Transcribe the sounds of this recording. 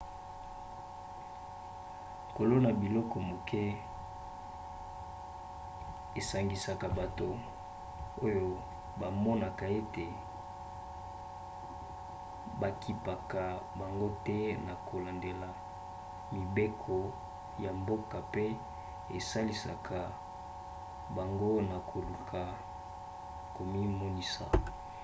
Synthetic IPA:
ŋ˨ko˨lo˦na˨bi˨lɔ˦kɔ˨mo˨kʰɛ˦ | e˨sa˨ŋɡi˨sa˨ka˨ba˨to˨ | o˦jo˦ | ba˨mɔ˦na˨ka˨e˦te˨ | ba˨kʰi˨pa˨ka˨ba˨ŋɡo˦tɛ˦na˨kʰo˨la˨nde˨la˨ | mi˨be˦kʰɔ˨ | ja˨mbo˦ka˨pe˦ | e˨sa˦li˨sa̰˨kʰa˨ | ba˨ŋɡo˦na˨kʰo˨lu˨kʰa˨ | ko˨mi˦mɔ˦ni˦sa̰˨

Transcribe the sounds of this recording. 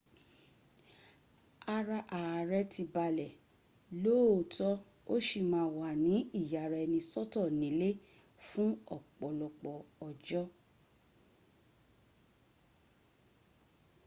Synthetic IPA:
a˧ɾa˧ʔa˨a˨ɾɛ˦ti˧ba˧lɛ˨ | lo˦˨tɔ˦ | o˦ʃi˧˨mãː˧˦˧wa˨nĩ˨˦i˦˨ja˨ɾɛ˨˧nĩ˧sɔ˦tɔ˦˨nĩ˨˦le˦ | fũ˦ɔ˦˨k͡pɔ˨lɔ˧k͡pɔ˨ɔ˨d͡ʒɔ˦

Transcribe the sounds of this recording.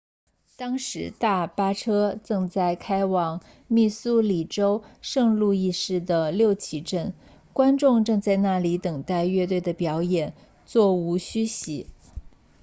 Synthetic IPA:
t̪ɑ˥ŋʂɻ̩˧˥t̪a˥˩pa˥ʈ͡ʂʰɤ˥t͡sɤ˥˧ŋt͡sa˥˩ɪkʰa˥ɪwɑ˨˩ŋ | mi˥˩su˥li˨˩ʈ͡ʂo˥ʊʂɤ˥˧ŋlu˥˧i˥˧ʂɻ̩˥˩d̪ə˩ljo˥˩ʊt͡ɕʰi˧˥ʈ͡ʂə˥˩n | kwa˥nʈ͡ʂʊ˥˧ŋʈ͡ʂɤ˥˧ŋt͡sa˥˧ɪna˥˩li˧˥t̪ɤ˨˩ŋt̪a˥˧ɪɥɛ˥˧t̪we˥˩ɪd̪ə˩pjɑ˧˥ʊjɛ˨˩n | t͡swɔ˥˩u˧˥ɕy˥ɕi˧˥

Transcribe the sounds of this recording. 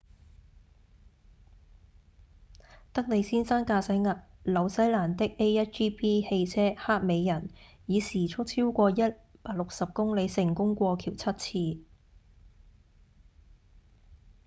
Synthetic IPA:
t̪ɐ˥k̚ne˨˧jsiː˥nsaː˥nkaː˧sɐ˨˥jŋɐ˨t̚lɐ˨˧wsɐ˨˥jlaː˨˩nt̪ɪ˥k̚ʔe˥jjɐ˥t̚t͡ʃiː˥pʰiː˥he˧jt͡sʰɛː˥haː˥k̚me˨˧jːɐ˨˩n | jiː˨˧siː˨˩t͡sʰʊ˥k̚t͡sʰiː˥wkʷɔː˧jɐ˥t̚paː˧k̚lʊ˨k̚sɐ˨p̚kʊ˥ŋle˨˧jsɪ˨˩ŋkʊ˥ŋkʷɔː˧kʰiː˨˩wt͡sʰɐ˥t̚t͡sʰiː˧

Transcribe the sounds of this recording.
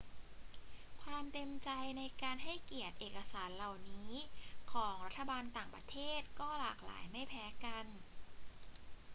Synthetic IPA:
kʰwaː˧mt̪e˧mt͡ɕa˧jna˧jkaː˧nɦa˥˩jki˨˩ət̪̚ʔeː˨˩ka˧saː˩˦nla˨˩wniː˦˥kʰɔː˩˦ŋɾa˦˥t̪ʰːa˧baː˧nt̪aː˨˩ŋpɾa˧˥t̪ʰeː˥˩t̪̚kɔː˥˩laː˨˩k̚la̰ː˩˦jma˥˩jpʰɛː˦˥ka˧n

